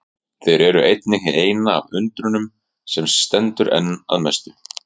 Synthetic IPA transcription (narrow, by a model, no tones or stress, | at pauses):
θejɾɛɾʏʔejt̪nɪɦɪeːjna̰ːvʏnt̪ɾʏnʏm | sɛmst̪ɛnt̪ʏɾʔɛ̰nːa̰ðmɛst̪ʏ